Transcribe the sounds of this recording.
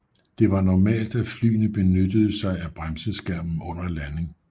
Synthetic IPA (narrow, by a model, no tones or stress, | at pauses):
d̥e̝ʋɑ̈nɒmɛ̰ːld̥æfly̰ːnəb̥e̝nød̥əð̞ˠəsɑ̈ɪæb̥ʁamsəsɡ̥æɐ̰mn̩ɔ̽n̰ɐlænəŋ